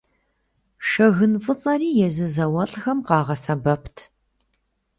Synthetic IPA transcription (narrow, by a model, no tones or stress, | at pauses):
ʂɐɣɨnfʼɨt͡sʼɐriːjɛzɨzɐwɐɬʼxɐmqɑːʁɐsɐbɐpʰtʰ